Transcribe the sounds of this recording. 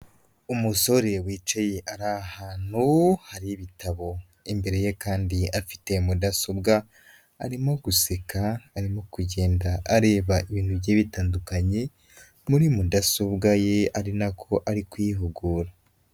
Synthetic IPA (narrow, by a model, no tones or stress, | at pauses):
umuso̞ɾe̞wiːt͡ʃejeʔaɾahaːn̥huhaɾiβitʰaβo̞ | imbe̞ɾe̞je̞kaːndiafi̥te̞mudasobɡaː | ɾimo̞ɡ̥usekʰaːɾimo̞kuɟe̞ːndaːɾe̞ːβaʔiβiːntubɟeːβitaːndukaɲe̞ | muɾimudasobɡaje̞aɾinakʰo̞ʔaɾikujiɦuɡuːɾa